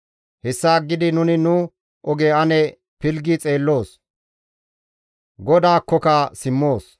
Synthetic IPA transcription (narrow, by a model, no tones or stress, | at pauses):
hɛsːaːɡːɪd̪ɪnʊnɪnʊ | ɔɡeɐnɛ | pɪlɡɪt͡sʼe̞ːlːo̞ːs | ɡɔd̪aːkːɔkɐsɪmːoːs